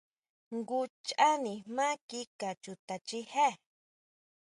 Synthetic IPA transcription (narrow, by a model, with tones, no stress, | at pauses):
ŋɡu˦t͡ʃa˦ni˨ma˦ki˦ka˨t͡ʃu˨t̪a˨t͡ʃi˦he˦